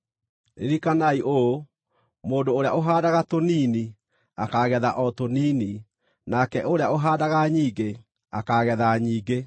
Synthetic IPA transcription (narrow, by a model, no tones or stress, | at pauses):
ḛɾikanaiʔoo | moːdoːɾeaoɦaːdaɣatoniːni | akaɣɛðaʔɔtoniːni | nakɛʔoɾeaoɦaːdaɣaɲiːɡe | a̰kaɣɛðaɲiːɡe